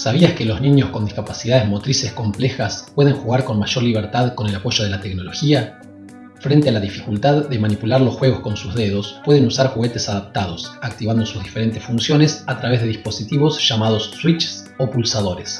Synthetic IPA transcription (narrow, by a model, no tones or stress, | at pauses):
saβ̞iaskelo̞zniɲo̞skond̪iskapasiðað̞ezmo̞t̪ɾise̞sko̞mple̞xaspwe̞ð̞eŋxuɣaɾko̞nmaʒo̞ɾliβ̞eɾt̪aðko̞ne̞lapo̞ʒo̞ð̞e̞lat̪ekno̞lo̞xia | fɾent̪e̞alaðifi̥kult̪aðːe̞manipulaɾlo̞sxwe̞ɣo̞sko̞nsuzðe̞ð̞o̞spwe̞ðenusaɾxuɣet̪e̞saðap̚t̪að̞o̞sak̚t̪iβand̪o̞suzðife̞ɾe̞nt̪esfunsjo̞nesat̪ɾaβe̞zðe̞ðihpo̞sit̪iβo̞sʃamað̞o̞sːwit͡ʃs | opulsaðo̞ɾes